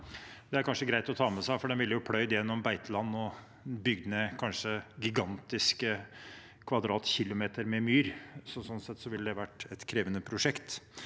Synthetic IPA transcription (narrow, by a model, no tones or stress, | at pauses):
d̪ɛæɾkʰɑnʂəɡɾæɪt̪ɔt̪ʰɑːmɛsæɪfɔɖɛnʋɪlːəjʊpʰlœʏd̪jɛnːɔmbæɪt̪əlɑnːɔ | bʏɡd̪nəkʰɑnʂəɡɪɡɑnt̪ɪskə | kʰʋɑd̪ɾɑːt̪çɪlʊmeːt̪əɾmɛmyːɾsɔsɔnːsɛt̪ːsɔʋɪlːəd̪ɛʋæʈːɛt̪kʰɾeːʋənəpʰɾʊʂɛkt̪